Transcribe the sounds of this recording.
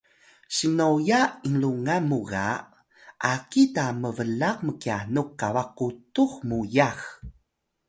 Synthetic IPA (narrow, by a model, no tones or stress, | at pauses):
ɕinojaʔiŋluŋamuɣa̰ | ʔakitaməvəlaq̚məkianukawaq̚utuxmujax